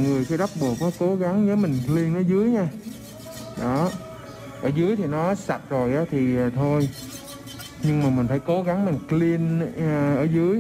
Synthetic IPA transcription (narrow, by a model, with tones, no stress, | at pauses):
ŋɨ˨˩əjkaː˨˦jɗa˦˥k͡p̚ɓu˨˩ək̚nɔ˨˦ko˨˦ɣa˨˦ŋzəː˨˦jmï˨˩ŋ̟kli˧ənʔəː˧˦zɨ˨˦əjɲaː˧ | ɗɔ˨˦ | ʔəː˧˩zɨ˨˦əjt̪ʰi˨˩nɔ˨˦sa˨˩t̚zo˨˩jʔaː˨˦t̪ʰi˨˩˨t̪ʰo˧j | ɲɨ˧ŋmaː˨˩mï˨˩ŋ̟faː˧˩jko˨˦ɣa˨˦ŋmi˨˩ŋ̟kli˧ənː˨˩ʔəː˧˩zɨ˨˦əj